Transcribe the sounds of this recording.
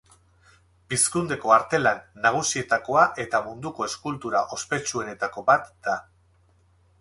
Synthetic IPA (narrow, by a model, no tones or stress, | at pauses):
biskund̪e̞ko̞aɾt̪e̞lanːaɣ̞usie̞t̪ako̞aʔe̞t̪amund̪uko̞e̞skult̪uɾaʔo̞spe̞t͡ʃue̞ne̞t̪ako̞bat̪d̪̥a